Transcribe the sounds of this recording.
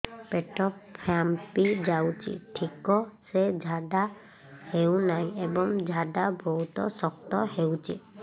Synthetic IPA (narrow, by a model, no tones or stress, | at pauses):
peʈɔpʰampid͡ʒawt͡ʃʰḭʈʰikɔsed͡ʒʱada | hewnaj̃ebɔŋd͡ʒʱadabɔɦut̪ɔ̰sɔk̚t̪ɔhewt͡ʃʰḭ